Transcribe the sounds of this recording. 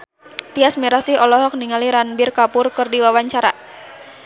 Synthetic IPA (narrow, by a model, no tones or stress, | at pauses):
t̪iasmiɾasiɦɔlɔɦɔk̚niŋaliɾanbirkapʊrkɨrdiwawaɲt͡ʃaɾa